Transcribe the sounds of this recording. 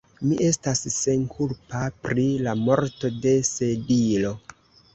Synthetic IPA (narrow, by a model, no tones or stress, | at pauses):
miʔe̞stasːe̞nkʰulpapɾilamo̞ɾto̞de̞se̞dilo̞